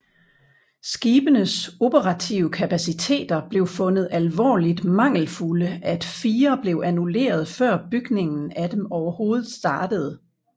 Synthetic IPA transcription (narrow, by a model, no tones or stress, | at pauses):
sɡ̥iːb̥ənəso̝b̥əʁɑ̈t͡sʰiʊəkʰæpʰæsit͡sʰe̝̰ːd̥ɐb̥le̝ʊfɔ̽nð̞̩ˠælʋɒ̰ːlid̥mɑ̈ŋ̰l̩fuləæd̥fiːɐb̥le̝ʊʔænule̝̰ːɐð̞ˠfɶɐ̰b̥yɡ̥ne̝ŋn̩æd̥emɒʊɐho̝ːð̞̩ˠsd̥ɑ̈ːd̥əð̞̩ˠ